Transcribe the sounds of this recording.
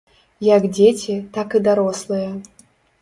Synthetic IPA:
jakdʲet͡sʲit̪akɨd̪aɾɔslˠɨjɛ

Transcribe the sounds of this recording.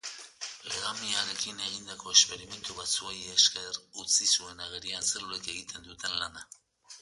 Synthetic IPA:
leɣamiaɾe̞kine̞ɣ̞ind̪ako̞espe̞ɾime̞nt̪uβat͡suejeskerut͡sisue̞naɣeɾianseɾlueke̞ɣit̪ʰe̞nd̪ut̪e̞nlana

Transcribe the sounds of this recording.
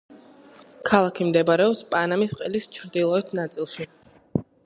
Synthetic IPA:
kʰalˠakʰimd̪ɛbaɾɛɔpspʼanamisqʼɛlist͡ʃʰɾd̪ilˠɔɛt̪ʰnat̪sʼilˠʃi

